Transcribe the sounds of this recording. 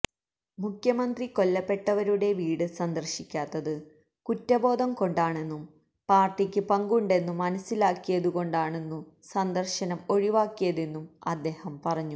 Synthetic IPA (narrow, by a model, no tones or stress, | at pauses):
mukʰjɐmɐnd̪riko̞lːɐpːe̞ʈːɐʋɐɾuɽe̞ʋiːɽɨsɐnd̪ɐrɕikʲːaːt̪ːɐðɨ | kutːɐbo̞ːd̪ʱɐmko̞ɳɖaːɳe̞nːum | paːrʈːikʲːɨpɐŋɡuɳɖe̞nːumːɐnɐsːilaːkːijɐðuɣo̞ɳɖaːɳe̞nːu | sɐnd̪ɐrɕɐnɐmo̞ɻiʋaːkːijɐðenːumɐd̪ːe̞ːhɐmpɐrɐɲːu